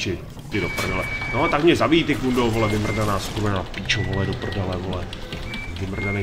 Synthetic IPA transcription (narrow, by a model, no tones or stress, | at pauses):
t͡ʃɪ | t̪ɪdopr̩dalɛnot̪akmɲɛzabijit̪ɪkundowɦolɛvɪmr̩danaːskumɛnapit͡ʃoɦolɛdopr̩dalɛɦolɛ | vɪmr̩danɛ